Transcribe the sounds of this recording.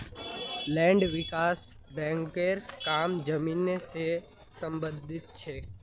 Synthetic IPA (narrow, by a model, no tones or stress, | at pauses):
lɛ̃ːɳɖʋɪkaːsbɛ̃ːŋkeɾkaːmd͡ʒəmiːnese | sə̃mbə̃nd̪ʱɪt̪̚t͡ʃʰɛː